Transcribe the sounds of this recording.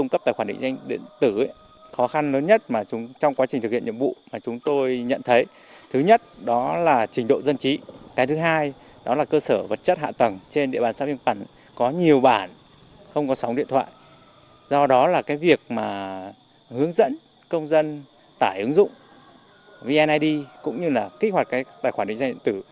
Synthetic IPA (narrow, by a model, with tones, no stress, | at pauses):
tʊ˧ŋ͡mkə˦˥p̚t̪aː˧˩xwaː˧˩ɗḭ̈˧˨ŋza˧jŋ̟ɗḭ˧˨ənt̪ɨ˧˩ | xɔ˨˦xa˧nləː˨˦nɲə˦˥t̚maː˨˩˨t͡ɕɔ˧wŋ͡mkwaː˨˦t͡ɕï̟˨˩t̪ɨ˨˩k̚hḭ˧˨ənɲḭ˧˨˩vṵ˧˨maː˨˩t͡ɕʊ˨˦ŋ͡mt̪o˧jɲə̰˧˨nt̪ʰə˨˦j | t̪ʰɨ˨˦ɲə˦˥t̚ɗɔ˨˦laː˨˩t͡ɕi˨˦ŋ̟ɗo̰˧˨zə˧nt͡ɕi˨˦kaː˨˦jt̪ʰɨ˨˦ɦaː˧j | ɗɔ˨˦laː˨˩kəː˧səː˧˩və˨˩t̚t͡ɕə˦˥t̚ha̰ː˧˨t̪ə˨˩ŋt͡ɕe˧nɗḭ˧˨ɓaː˨˩nsaː˧˥vi˧ŋpa˧˩ŋ | kɔ˨˦ɲi˨˩əwɓaː˧˩n | xə˧wŋ͡mkɔ˨˦sa˨˦wŋ͡mɗḭ˧˨ənt̪ʰwa̰ː˧˨j | zɔ˧ɗɔ˨˦laː˨˩kaː˨˦jvi˨˩ək̚maː˨˩ | hɨ˨˦əŋzə̰˧˥n | kə˧wŋ͡mzə˧n | t̪aː˧˩jʔɨ˨˦ŋzʊ̰˧˨ŋ͡m | vi˧ʔɛ˧nʔaː˧jɗi˧kʊ̰˧˥ŋ͡mɲɨ˧laː˨˩xi˦˥k̚ha˨˩t̚kaː˨˦jt̪a̰˧˩jxwa˧˩ɗï˨˩ŋza˧ɗḭ˧˨nt̪ɨ˧˩